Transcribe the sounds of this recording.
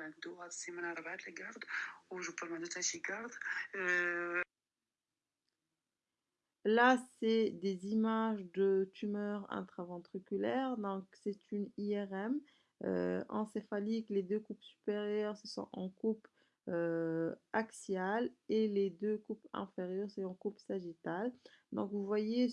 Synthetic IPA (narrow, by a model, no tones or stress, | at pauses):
ãd̪oasemanaʁbat̪laɡaʁd̪uʒəpɔlmad̪ot̪aʃiɡaʁd̪ø | lasɛd̪ezimaʒd̪ət̪ymœʁɛ̰̃t̪χavɑ̃t̪χykʲylɛʁd̪ɔ̃ksɛt̪yniɛʁɛm | ø̰ɑ̰̃sefalikled̪økupsy̥peʁjœʁsəswɔ̰̃ʔɑ̃kup | ø | aksjaleled̪økupɛ̰̃feʁjœʁsɛɑ̃kupsaʒit̪ald̪ɔ̰̃kvuvwaje